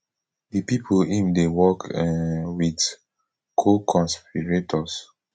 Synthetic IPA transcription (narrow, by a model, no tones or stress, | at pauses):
dipipʰoĩmdewɔkɛwid | kʰokʰɔ̃nspiɹetʰɔs